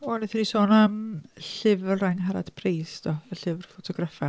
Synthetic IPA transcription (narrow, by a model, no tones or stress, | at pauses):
oneθinisɔːnamɬɪvrajnɦaɾa̰d̥pʰrejsdɔəɬɪvrfɔtʰɔɡrafa